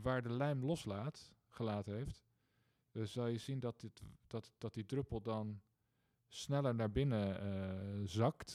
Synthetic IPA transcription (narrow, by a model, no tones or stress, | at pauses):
ʋaːɹdəlɛjmlɔslaːtχəlaːtənɦejft | z̥ɑlˠjəzindɑtɪtd̥td̥ɑt̚didrɵpəlˠdɑn | snɛləɹnaːɹbɪnə | zɑkt